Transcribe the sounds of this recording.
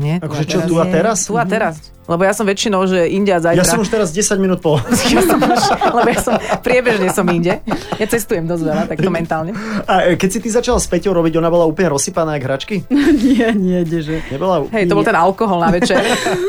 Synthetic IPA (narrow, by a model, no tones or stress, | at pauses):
ɲɪɛakɔʒɛt͡ʃɔt̪uat̪ɛɾast̪uat̪ɛɾas | lɛbɔjasɔmʋɛt͡ʃinɔʊʒɛʔiɲɟɛazajjasɾaɔmuʃt̪ɛɾazɟɛsaɟminuːt̪̚pɔlaskjasɔmaʃlɛbɔjasɔmpɾɪɛbɛʒɲɛsɔmiɲɟɛjat͡sɛst̪ujɛmd̪ɔzʋɛlat̪akt̪ɔmɛnt̪aːlɲɛakɛcsit̪izat͡ʃalaspɛcɔʊɾɔbiɟɔnabɔlauːpl̩ɲɛɾɔsːipanaːɡɦɾat͡ʃkiɲɪɛɲɪɛɲɛʒɛɲɛbɔlaɦɛjt̪ɔbɔlt̪ɛnalkɔɦɔlnaʋɛt͡ʃɛɾ